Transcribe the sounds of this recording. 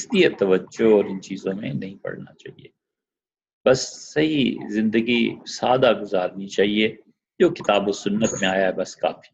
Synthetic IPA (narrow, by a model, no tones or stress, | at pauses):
ɪst̪iət̪ːɐʋəd͡ʒoɔːɾɪnt͡ʃiːzõmḛ̃nɐɦĩpɐ̰ɽna̰t͡ʃa̰ːɦḭeː | bɐsːɐɦizɪ̃nd̪əɡisaːd̪aɡʊzaːɾnit͡ʃaːɦie | d͡ʒoːkɪt̪aːbosʊnːət̪mẽaːjaɦɛbɐska̰ːfi̥